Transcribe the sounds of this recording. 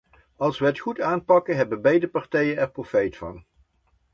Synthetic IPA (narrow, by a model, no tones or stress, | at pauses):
ɑlˠsʋəɦətχutaːnpɑkənɦɛbənbejdəpɑrtɛjənɛɹprofejtfɑ̰n